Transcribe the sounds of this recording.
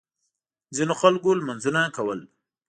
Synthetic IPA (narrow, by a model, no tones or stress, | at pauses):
zinoxalkolmanzunakawəl